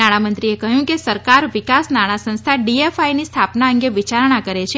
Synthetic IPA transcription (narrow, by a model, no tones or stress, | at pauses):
aɽ̃amənt̪ɾiekəɦjũkesəɾkaɾʋikasnaɽ̃asə̃ñst̪ʰaɖiefajnist̪ʰapnaəŋɡeʋit͡ʃaɾɳ̃akəɾet͡ʃʰe